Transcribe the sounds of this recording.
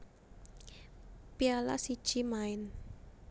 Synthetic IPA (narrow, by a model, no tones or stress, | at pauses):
piala̰si̥ʒ̥imaɪn